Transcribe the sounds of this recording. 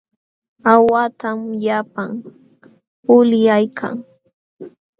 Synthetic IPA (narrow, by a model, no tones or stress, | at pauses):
awat̪amʎapaŋ | pʊljajkʰa̰ŋ